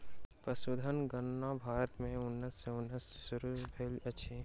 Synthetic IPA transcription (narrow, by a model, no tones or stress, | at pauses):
pɐsʊd̪ʱənɡənːabʱaːɾət̪mẽʊnːəsːeʊnːəsːʊɾubʱelɐʃʰe